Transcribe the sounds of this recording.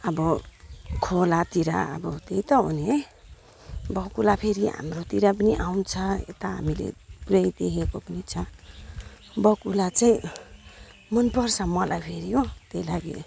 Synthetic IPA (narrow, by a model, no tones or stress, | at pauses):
ʌbʌ | kʰolat̪iɾa̰ʌ̰bʌt̪ejt̪ʌɦo̰ne | bʌkulapʰeɾiɦa̰mrot̪iɾap̬ʌniʔawnt͡sʰʌḛt̪aɦa̰milḛpuɾʌjd̪ekʰekopʌnit͡sʰʌ | bʌkulat͡saĩ | mʌnpʌrsamʌlʔajpʰeɾijot̪ejlaɡḛ